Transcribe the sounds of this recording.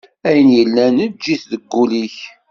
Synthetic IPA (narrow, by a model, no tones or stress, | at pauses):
æjənjəlːænəd͡ʒːiθðəɡːuliç